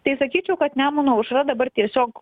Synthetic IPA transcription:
t̪ɐɪsɐkʲiːt͡ʃʲɛʊkɐt̪nʲæmuːnoːʊʃɾɐd̪ɐbɐrt̪ʲiɛsʲoːk

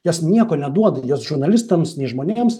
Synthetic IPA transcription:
jɛsnʲiɛkoːnʲɛd̪uɔd̪ɐjoːsʒʊrnɐlʲɪst̪ɐmsnʲɛɪʒmoːnʲeːms

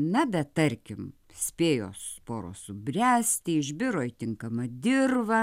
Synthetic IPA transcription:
nɐbʲɛt̪ɐɾʲkʲɪm | sʲpʲeːjo̰ːspoːɾo̰ːsʊbʲrʲæːsʲt̪ʲɪɪʒʲbʲɪɾoːɪt̪ʲɪŋkɐmɐd̪ʲɪrʋɐ

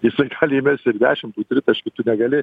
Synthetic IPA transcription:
jɪsɐɪɡɑːlʲɪɪmʲɛsʲɪɾd̪ʲæ̰ːʃʲɪmt̪uːt̪ʲɾʲɪt̪ɐʃʲkʲɪt̪ʊnʲɛɡɐlʲɪ

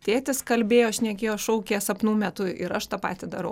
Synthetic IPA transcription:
t̪ʲeːt̪ʲɪskɐlʲbʲeːjoːʃʲnʲɛkʲeːjoːʃɐʊkʲeːsɐpnuːmʲɛt̪ʊɪɾɐʃt̪ɑːpɑ̰ːt̪ʲɪd̪ɐɾɐʊ

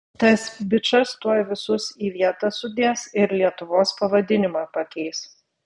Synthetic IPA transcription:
t̪ɐsbʲɪt͡ʃɐst̪uɔːjʋʲɪsʊsiːʋʲiɛt̪ɐsʊd̪ʲeːsɪɾlʲiɛt̪ʊʋoːspɐʋɐd̪ʲɪnʲɪmɑːpɐkʲɛɪs

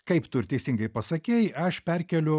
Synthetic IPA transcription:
kɐɪpt̪ʊɾʲt̪ʲɛɪsʲɪŋɡɐɪpɐsɐkʲeːjɐʃpʲɛɾʲkʲɛlʲʊ

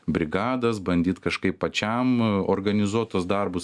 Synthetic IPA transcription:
bʲɾʲɪɡɑːd̪ɐsbɐnʲd̪ʲiːt̪kɐʃkɐɪppɐt͡ʃʲɛmorɡɐnʲɪzuɔt̪ɐsd̪ɐrbʊs

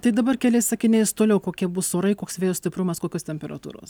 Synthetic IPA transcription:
t̪ɐɪd̪ɐbɐrkʲɛlʲɛɪsɑːkʲɪnʲɛɪst̪oːlʲɛʊkoːkʲiɛbʊsoːɾɐɪkoːksʋʲeːjoːsʲtʲɪpɾʊmɐskoːkʲoːst̪ʲɛmʲpʲɛɾɐ̰t̪ṵːɾo̰ːs

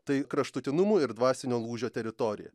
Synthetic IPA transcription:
t̪ɐɪkɾɐʃt̪ʊt̪ʲɪnʊmuːɪɾd̪ʋɑːsʲɪnʲoːlˠuːʒʲoːt̪ʲɛɾʲɪt̪oːɾʲɪ̰jɛ̰

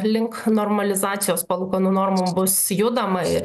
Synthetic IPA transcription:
lʲɪŋknoːrmɐlʲɪzɑːt̪sʲɪjoːspɐlˠʊːkɐnuːnoːrmʊbʊsjʊd̪ɐmɐɪɾ

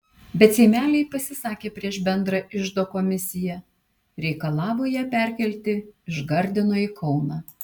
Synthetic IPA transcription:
bʲɛt̪sʲeɪmʲæːlʲɛɪpɐsʲɪsɑːkʲeːpʲɾʲiɛʃbʲɛnd̪ɾɐʔɪʒd̪oːkoːmʲɪsʲɪjɛ | ɾʲɛɪkɐlˠɑːʋoːjɛpʲɛˑɾʲkʲɛlʲt̪ʲɪɪʒɡɐɾʲd̪ʲɪnoːiːkʰɒʊnɑː

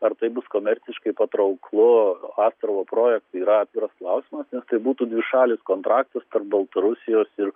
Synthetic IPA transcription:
ɐrt̪ɐɪbʊskoːmʲɛɾʲsʲɪʃkɐɪpɐt̪ɾɐʊklˠʊɑːst̪ɾɐʋoːpɾoːjɛk̚t̪iːɾɐɑːt̪ʲʋʲɪɾɐsklˠɐʊsʲiːmɐsnʲɛst̪ɐɪbuːt̪uːdʲʋʲɪʃɑːlʲɪskoːnt̪ɾɑːk̚t̪ɐst̪ɐrp̚bɐlˠt̪ɐɾʊsʲɪjoːsɪr

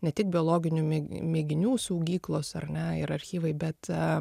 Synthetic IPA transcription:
nʲɛt̪ʲɪk̚bʲɪoːlˠoːɡʲɪnʲuːmʲmʲeːɡʲɪnʲuːsɐʊɡʲiːklˠoːsɐrnʲɛɪɾɐɾʲxʲiːʋɐɪbʲɛt̪

